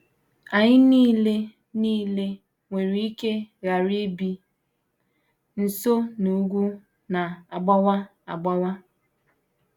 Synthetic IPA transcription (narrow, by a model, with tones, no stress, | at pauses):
a˨ɲɪ˦niː˦le˦ | niː˦le˦ | ŋʷe˨ɾi˦i˦ke˦ɣa˨ɾi˦bi˦ | n̩˨so˦nu˨˦ɡʷu˦ | na˨a˨ɡ͡ba˦wa˦ | a˨ɡ͡ba˦wa˦